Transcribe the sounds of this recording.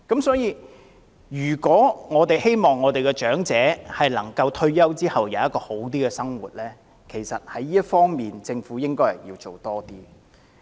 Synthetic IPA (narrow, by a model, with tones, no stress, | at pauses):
kɐ˨˥msɔː˨˥jiː˧ | jyː˨˩kʷɔː˨˥ŋɔː˨˧t̪e˨jhe˥jmɔː˨˩ŋːɔː˨˧t̪e˨jkɛ˧t͡ʃœː˨˥ŋt͡sɛː˨˥hɐ˨jlɐ˨˩ŋkɐ˧wt̪ʰɵ˥ɥjɐ˥wt͡siː˥hɐ˨wjɐ˨˧wjɐ˥t̚kːɔː˧ho˨˥wt̪̬iː˥kɛ˨˧sɐ˥ŋwṵː˨˩t̚lɛː˥ | kʰe˨˩jsɐ̰˨t̚hɐ˨˥jːiː˥ɐ˥t̚fɔː˥ŋmiː˨nt͡sɪ˧ŋfuː˨˥jɪ˥ŋkɔː˥hɐ˨˩jiː˧wt͡so˨˩wt̪ɔː˥t̪iː˥